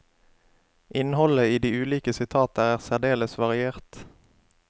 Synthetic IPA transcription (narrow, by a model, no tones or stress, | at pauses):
ʔɪnhɔləiːd̪iːʉːliːkəsɪt̪ʰɑːt̪ɑæːʁsæʁd̪eːləsʋɑʁɪeːʁt̪